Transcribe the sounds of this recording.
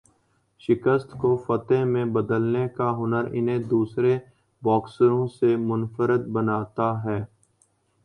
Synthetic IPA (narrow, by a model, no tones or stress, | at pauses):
ʃɪkəst̪kofət̪ẽmẽbəd̪əlnekaɦʊnəɾɪ̰nẽd̪uːsɾe | bɔːksəɾõːsemʊnfəɾət̪̚bənaːt̪aɦɛː